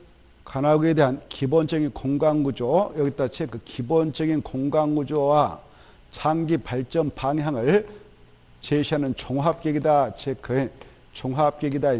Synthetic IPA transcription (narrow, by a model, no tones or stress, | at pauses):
kanaɡedeɦankʰibont͡ɕʌɡinkoŋɡaŋɡud͡ʑojʌɡit͈at͡ɕʰekʰɯkʰibont͡ɕʌɡinkoŋɡaŋɡud͡ʑowa | t͡ɕaŋɡipaɭt͡ɕ͈ʌmpaŋɦjaŋɯɭ | t͡ɕeɕʰiɦanɯnt͡ɕoŋɦap̚k͈eɡidat͡ɕʰekʰɯ | t͡ɕoŋɦap̚k͈eɡidai